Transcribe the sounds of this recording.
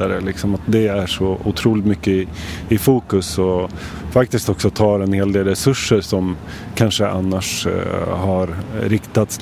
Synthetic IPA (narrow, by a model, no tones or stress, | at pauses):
aɾə̰lɪksɔmat̪̚d̪ɛæʂɔʊt̪ʰɾuːlɪt̪mʏkːəɪɪfuːkɵsɔ | fak̚t̪ɪst̪ɔksɔt̪ʰɑːɾɛnheːld̪eːlɾɛsɵʂːəɾʂɔm | kʰanʂəʔa̰nːaʂ | ɦaɾɾɪkt̪at̪s